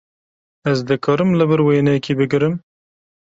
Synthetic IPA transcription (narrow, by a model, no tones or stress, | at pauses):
ɛzd̪ɨkʰɔːɾɨmlɨbɨɾweːnɛjɛkiːbɨɡɨɾɨm